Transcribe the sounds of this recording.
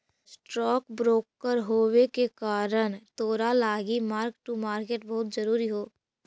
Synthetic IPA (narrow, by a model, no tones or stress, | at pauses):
sʈɾɔːkbɾoːkːəɾɦoːwekekaːɾəñt̪oːɾalaːɡimaːɾkʈːumaːɾkeːʈbɐɦʊt̪d͡ʒɐɾuːɾiɦoː